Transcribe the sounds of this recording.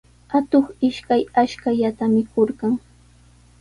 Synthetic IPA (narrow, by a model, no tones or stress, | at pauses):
at̪oχɪʃkajaʃkaʎat̪amɪkoɾɢɑŋ